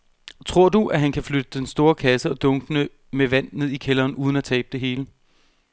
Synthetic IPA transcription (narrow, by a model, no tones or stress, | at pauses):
t͡sʰʁo̝ɐ̰d̥uʔæɦænkʰæflød̥əd̥ensd̥o̝ːɐkʰæsəɒ̽d̥ɔ̽ŋɡ̥ənə | meʋæn̰ne̝ð̰ˠikʰelɐːnuːð̞ˠnæt͡sʰɛ̰ːb̥̚d̥e̝ɦe̝ːlə